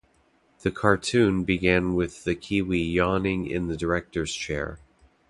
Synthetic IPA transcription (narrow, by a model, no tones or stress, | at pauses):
ðɨkʰɑɹtʰʉ̃nbɨɡæ̃nwɪðɨkʰiwijɑnɪ̃ŋɪ̰̃nðɨdə˞ɛk̚tə˞z̥t͡ʃʰɛ̰ɹ